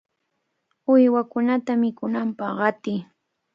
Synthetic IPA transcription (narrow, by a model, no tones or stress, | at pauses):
ʊjwakʊnat̪amɪkʊnampɑχɢɑt̪ɪː